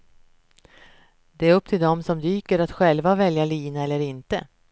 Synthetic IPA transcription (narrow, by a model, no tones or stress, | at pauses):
d̪ɛæɾɵpːt̪ʰɪld̪ɔmsɔmd̪yːkəɾat̪ɧɛlvavɛljaliːnaɛlːəɾɪnt̪ə